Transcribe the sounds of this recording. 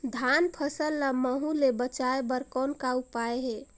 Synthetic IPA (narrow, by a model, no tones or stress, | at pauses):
d̪ʱanpʰəsəlːəməɦũlebət͡ʃaebəɾkɔnkaupaeɦe